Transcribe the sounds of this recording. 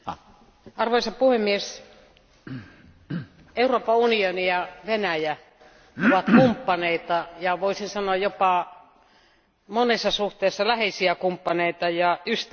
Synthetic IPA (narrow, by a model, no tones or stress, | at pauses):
ɑrʋoisɑpuhemːies | euroːpɑunionijɑʋenæjæ | oʋɑt̪kumpːɑneit̪ɑjɑʋoisinsɑnoɑjjopɑ | monesːɑsuht̪eisːɑlæheisiækumpːɑneit̪ɑjɑyst̪